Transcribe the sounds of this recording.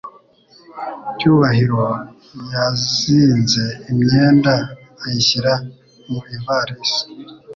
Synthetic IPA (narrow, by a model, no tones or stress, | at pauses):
cuːβaɦiɾo | jaziːnze̞imɲe̞ːndaː | jiɕiɾa | muivaɾisi̥